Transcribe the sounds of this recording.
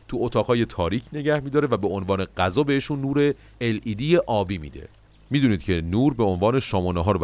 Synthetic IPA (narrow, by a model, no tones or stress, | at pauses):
t̪ʰuot̪ʰɒːɣɦɒːje̞t̪ʰɒːɾiːcʰne̞ɟæhmid̪ɒːɾevæbe̞onvɒːne̞ɢ̥æzɒːbeheʃunːuːɾe̞ː | lʔiːd̪ijeʔɒːbiːmḭːd̪ḛ | miːd̪uniːd̪̥̚cʰe̞nuːɾbeonvɒːneʃɒːmoneɦɒːɾb